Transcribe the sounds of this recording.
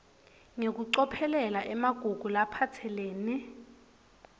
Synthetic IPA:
ŋek̬uǀɔpʰɛlɛlaʔɛmaɡ̥ʱuɡ̥ʱulapʰatʰɛleːni

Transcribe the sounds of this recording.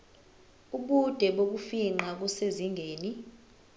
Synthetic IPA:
uɓud̥ʱɛɓok̬ufiŋ͡ǃak̬useziŋɡʱeːni

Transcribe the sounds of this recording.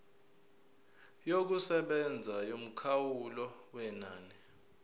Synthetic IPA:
jok̬usɛɓɛnd͡zʱajom̩kʰawulɔwɛnaːnɛ

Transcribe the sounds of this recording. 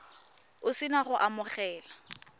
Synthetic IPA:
ʊsɪnaχʊʔamʊχɛːla

